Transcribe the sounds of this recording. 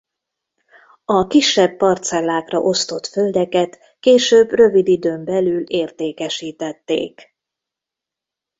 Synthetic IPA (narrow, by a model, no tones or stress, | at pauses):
ɒkiʃːɛbːɒrt̪sɛlːaːkrɒ̰ʔo̞st̪o̞t̪føld̪ɛkɛt̪ | keːʃøːbrø̞vid̪id̪øːmbɛlyleːrt̪eːkɛʃiːt̪ɛt̪ːḛːk